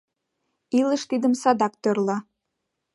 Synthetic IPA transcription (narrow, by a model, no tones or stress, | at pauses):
iləʃt̪id̪əmsɑd̪ɑk̚t̪ørlɑ